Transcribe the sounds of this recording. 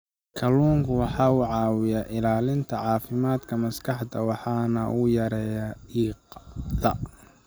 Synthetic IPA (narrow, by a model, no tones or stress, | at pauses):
kʰɐluːŋkʰʊwɑħɑːʊʕɑːwɪjaʔɪlaːlɪnt̪ʰɐʕɑːfɪmaːd̪kʰɐmɐskʰɑħd̪ɐwɑħɑːnɐʔʊjɐɾɛjɐiːqd̪ɐ